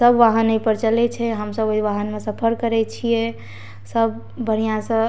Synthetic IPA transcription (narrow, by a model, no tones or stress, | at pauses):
səbʋaɦənːəjpəɾt͡ʃəlɛt͡ʃʰɛɦəmsəboɦiʋaɦənmesəpʰəɾkəɾɛt͡ʃʰijɛ | səbː | əɽ̤ijãsə̃